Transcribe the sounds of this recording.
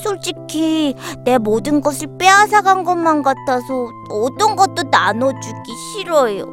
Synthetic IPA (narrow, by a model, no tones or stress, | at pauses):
sʰoɭt͡ɕ͈ikʰine̞modɯnɡʌsʰɯɭp͈easʰaɡanɡʌnmankatʰasʰʌ | ʌt͈ʌnɡʌt̚t͈onanʌd͡ʑuɡiɕʰiɾʌjo̰